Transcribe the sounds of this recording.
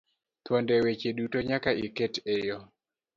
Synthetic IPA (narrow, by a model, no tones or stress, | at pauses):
t̪wondɛwet͡ʃedutoɲakaiketejo